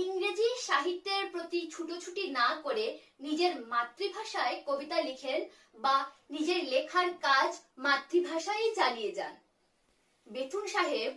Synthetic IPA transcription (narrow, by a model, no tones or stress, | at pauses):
iŋɾed͡ʑiʃaɦit̪ːeɾpɾot̪it͡ɕʰuʈot͡ɕʰuʈinakoɾe | nid͡ʑeɾmat̪ːɾibʱaʃaekobit̪alikʰen | banid͡ʑeɾlekʰaɾkad͡ʑmat̪ːɾibʱaʃajd͡ʑanijed͡ʑa̰n | bet̪ʰunʃaɦeb